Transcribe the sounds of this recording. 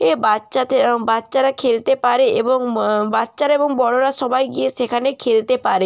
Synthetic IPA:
ebatːʃabatːʃaɾakʰelt̪epaɾeeboŋbatːʃaɾaeboŋbɔɽoɾaʃɔbajɡieʃekʰanekʰelt̪epaɾe

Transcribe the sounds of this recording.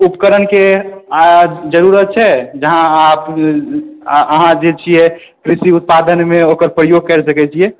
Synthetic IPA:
upkəɾənke | d͡ʒəɾuɾət̪̚t͡ʃʰɛd͡ʒəɦãap | əɦãd͡ʒet͡ʃʰiɛ | kɾisiut̪̚pad̪ənmeokəɾpɾəjoɡ̚kɛɾsəkɛt͡ʃʰiɛ

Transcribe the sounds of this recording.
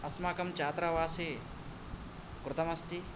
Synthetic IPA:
ɐsmaːkɐmt͡ʃaːt̪ɾaʋaːse | kɾɪt̪ɐmɐst̪i

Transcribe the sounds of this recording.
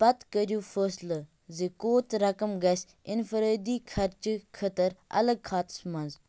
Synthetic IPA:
pɐt̪kəɾjuːfəːslə | zikoːt̪ɾɐkɐmɡɐs | ɪnfəɾəːd̪iːkʰɐɾt͡ʃkʰət̪əɾɐ̰ləɡ̚kʰaːt̪smɐnz

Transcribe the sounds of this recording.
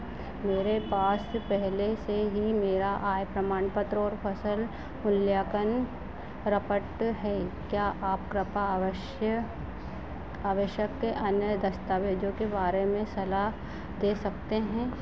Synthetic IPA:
meːɾepaːspɛɦleseɦimeːɾaʔaːjpɾɐmaːɳpət̪ɾɔːɾfʰɐsəl | mʊljaːkən | ɾɐpəʈɦɛːkjaːʔaːpkɾɪpa | aːʋəʃjəkːeʔɐnjəd̪ɐst̪aːʋeːd͡ʒõkebaːɾemẽsɐlaɦ | d̪eːsɐkt̪eɦɛ̃ː

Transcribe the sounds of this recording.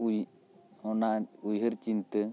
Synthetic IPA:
uj | ɔnaujɦəɾt͡ʃint̪ə

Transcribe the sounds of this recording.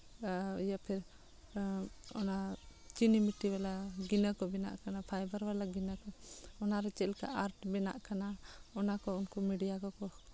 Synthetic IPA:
japʰɛɾ | ɔ̰nat͡ʃinimiʈibɛlaɡinəkɔbɛna̰ʔkanapʰajbəɾbalaɡinəkɔɔnaɾɛt͡ʃɛlka̰ʔaɾʈbɛna̰ʔkanaɔnakɔunkumiɖijakɔkɔ

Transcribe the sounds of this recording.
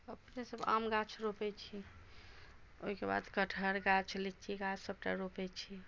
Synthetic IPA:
əpnesəba̰mɡat͡ʃʰɾopɛt͡ʃʰi | oɦikeba̰d̪kəʈʰəɾɡat͡ʃʰlit͡ʃiɡat͡ʃʰsəb̚ʈa̰ɾopɛt͡ʃʰi

